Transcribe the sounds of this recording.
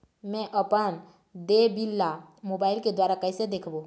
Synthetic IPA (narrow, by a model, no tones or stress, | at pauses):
mɛ̃ʔəpən | d̪ebilːamobaɪlked̪waɾakəjsed̪ekʰbo